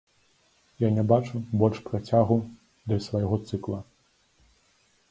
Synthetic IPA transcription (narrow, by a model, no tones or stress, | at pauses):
janʲɛbat͡ʂubɔlʲʂpɾat͡sʲaɣu | d̪lʲɐsvajɣɔt̪sɨklˠɐ